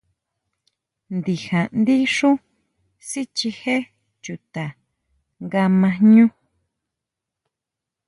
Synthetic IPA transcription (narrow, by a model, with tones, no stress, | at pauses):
nd̪i˨hã˨nd̪i˦ʂũ˦ | si˦t͡ʃi˧he˦ | t͡ʃu˨t̪a˨ | ŋɡa˧mã˧ɲũ˦